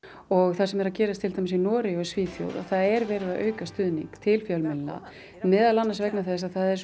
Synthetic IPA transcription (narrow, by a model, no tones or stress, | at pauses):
ɔɣθasɛmɛɾaðcɛːɾast̪ʰɪlt̪ajmɪsinɔːɾɪɔsviːθjo̰wða̰ðθaðɛɾvɛːɾɪðaʔœ̰ːɥkast̪ʏːðnḭŋkt̪ʰɪlfjœlmɪlna̰ | mɛːðalanːasvɛknaθɛs̬aðθaðɛɾs